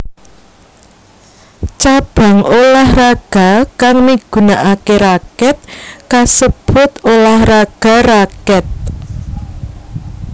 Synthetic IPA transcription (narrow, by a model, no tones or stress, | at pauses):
t͡ʃab̥a̤ŋolahraɡ̥a̤kaŋmiɡ̥ṳnaʔakeɾakɛt̪̚kasəb̥ʊt̪olahraɡ̥a̤rakɛt̪̚